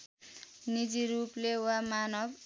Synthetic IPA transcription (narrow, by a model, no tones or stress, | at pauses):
nid͡ziɾuplewamanʌb